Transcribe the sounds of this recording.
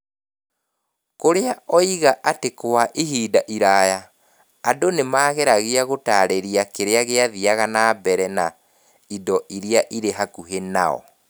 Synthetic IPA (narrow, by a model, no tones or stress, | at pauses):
koɾeaɔiɣaʔatekowaʔiɦiːdaʔiɾajaː | donemaːɣeɾaɣeaɣotaːɾeɾiakeɾeaɣeaðiaɣanaːbɛɾɛna | idɔʔiɾeaʔiɾeɦakuɦenaɔ̰